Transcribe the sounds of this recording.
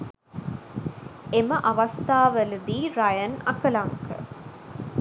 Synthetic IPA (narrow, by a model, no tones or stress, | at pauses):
eməʔɐʋɐst̪aːʋəlɨd̪iːɾɐjənɐ̰kɐlaŋkə̰